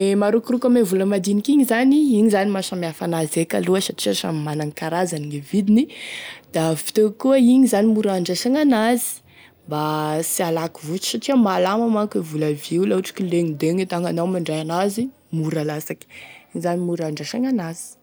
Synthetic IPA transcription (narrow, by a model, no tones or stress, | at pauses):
emaɾukirukamevuləmad̪inikiɲizaniiɲizanimasamiafanazeka̰luəsaʈ͡ʂiaʃa̰mimanaŋikaɾazaniŋevid̪inid̪̥avi̥t̪ekuəiɲizanimuɾaɳɖ͡ʐaʃaŋanazi̥ | mbasialakivut͡ʃi̥saʈ͡ʂiamalamamakivulaviulauʈ͡ʂi̥kileŋid̪eŋit̪aŋanawmaɳɖ͡ʐajanazi | muɾalasaki̥iɲizanimuɾaɳɖ͡ʐaʃaŋanaz̥i̥